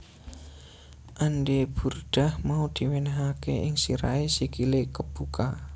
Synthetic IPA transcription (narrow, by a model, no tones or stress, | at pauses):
ʔanɖeb̥urɖ̪̥a̤hmaud̪̥i̤wenaɦakeʔɪŋsiɾa̰esikilekəb̥uka